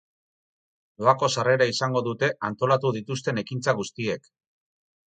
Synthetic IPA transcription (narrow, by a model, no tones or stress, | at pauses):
loako̞sare̞ɾaisaŋɡo̞ðut̪e̞ʔant̪o̞lat̪uð̞it̪ust̪e̞ne̞kint͡saɣ̞ust̪ie̞k